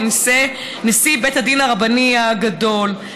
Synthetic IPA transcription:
nise | nesibethad̪inaʁabaniaɡado̞l

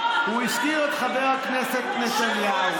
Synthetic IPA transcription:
huiʃkiet̪χaveʁhakneset̪̚netanjal

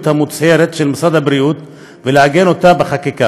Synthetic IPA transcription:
t̪hamut͡sheɾet̪ʃelmasad̪habɾiut̪ | veleaɡe̞no̞t̪abeχakika

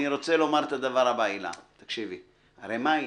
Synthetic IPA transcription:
niʁo̞t͡selo̞maʁet̪ad̪avaʁabaːila̰t̪akʃivi | aʁemai

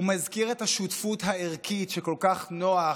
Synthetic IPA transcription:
umazkiʁetaʃutfutɦaeʁkʰitʃeko̞lkaχnoa

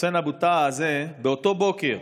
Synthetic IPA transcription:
enabut̪aːzebeot̪o̞bo̞keʁ

